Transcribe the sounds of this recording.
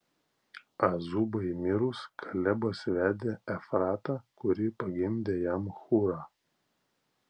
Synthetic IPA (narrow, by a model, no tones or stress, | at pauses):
ɐzubɐɪmʲɪɾʊskʰɐlʲɛbɐsʲʋʲæːd̪ʲeːɛfɾɑːt̪ɑːkʊɾʲɪpɐɡʲɪnʲd̪ʲeːjæmxuɾɑː